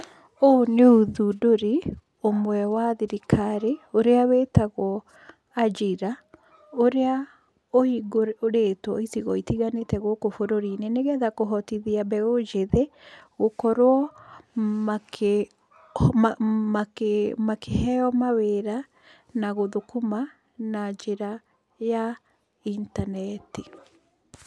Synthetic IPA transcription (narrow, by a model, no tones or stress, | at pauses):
oneuðudoɾi | omwɛwaðiɾikʰaɾeoɾeawetaɣɔ | ad͡ʒiɾa | oɾea | ohiɡoɾɾetwɔ̰itiɣɔitiɣanetɛɣokofoɾoɾiːneneɣɛðakoɦɔtiðiabɛɣod͡ʒeðeɣokɔɾwɔ | makʰe | akmakʰehɛɔmaweɾa | naɣoðokuma | nad͡ʒeɾa | ja | intanɛti